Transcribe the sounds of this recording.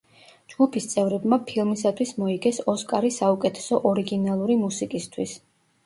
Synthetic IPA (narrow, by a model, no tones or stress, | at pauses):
d͡ʒɡupʰist̪sʼɛvɾɛbmapʰilˠmisat̪ʰwismɔiɡɛsɔskʼaɾisaukʼɛt̪ʰɛ̥sɔʔɔɾiɡinalˠuɾimusikʼist̪ʰwis